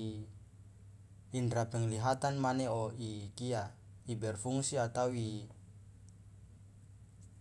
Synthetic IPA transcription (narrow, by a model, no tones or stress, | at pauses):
indɾapəŋliɦat̪anmaneoikiaibɛrfuŋsiat̪awi